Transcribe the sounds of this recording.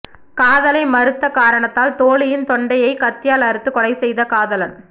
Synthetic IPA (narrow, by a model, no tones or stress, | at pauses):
kaːðɐlɐɪmɐɾɯt̪ːɐkaːɾɐɳɐt̪ːaːlt̪oːɭɪjɪnt̪ɔɳɖɐjɐɪkɐt̪ːɪjaːlɐɾɯt̪ːɯkːɔɽɐɪsɛjðɐkaːðɐlɐn